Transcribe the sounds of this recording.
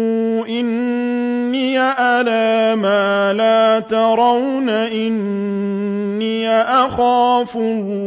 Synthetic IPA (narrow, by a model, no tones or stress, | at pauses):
ʔɪnː | iːaʔalaːmaːlaːt̪ɑɾˤɑwnaʔɪn | iːaʔaxaːfʊl